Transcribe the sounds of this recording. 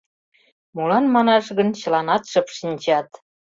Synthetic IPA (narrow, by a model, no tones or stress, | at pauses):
mulɑnmɑnɑʃɣə̆nt͡ɕə̆lɑnɑt̪ʃəpʃinʲt͡ɕɑt̪